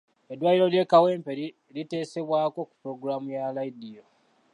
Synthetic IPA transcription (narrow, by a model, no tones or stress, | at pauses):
e̞dwaːjiɾo̞lje̞ːkawe̞ːmpe̞ɾi | lite̞ːse̞βwaːko̞ku̥puɾo̞ɡuɾamujalaidijo